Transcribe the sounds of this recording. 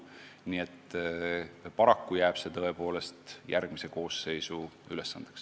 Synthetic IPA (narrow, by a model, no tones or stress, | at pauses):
niːe̞t̪ːˑ | pɑɾɑkːujæːb̥se̞t̪ɤe̞po̞ːle̞st̪jærɡ̥mise̞ko̞ːsːe̞jsuyle̞sːɑ̰nd̪̥e̥ks